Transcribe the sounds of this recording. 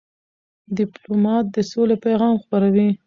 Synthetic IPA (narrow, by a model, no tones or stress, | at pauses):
d̪ɪplomɑt̪̚d̪əsolepajɣɑmxpaɾawi